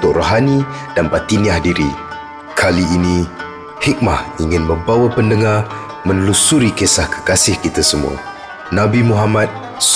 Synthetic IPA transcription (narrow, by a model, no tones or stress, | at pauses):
t̪ʊk̚roɦani | danbat̪iniahdiɾi | kʰaliːni | hik̚mahiŋɪnmə̃bawapəndəŋar | mə̃nlusuɾikesahkə̥kasɪhkit̪asəmṵa̰ | nabimuɦamat̪̚ | s